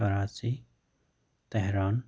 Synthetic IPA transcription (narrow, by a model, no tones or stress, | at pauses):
əɾaːt͡ʃi | t̪ɛɦɾaːn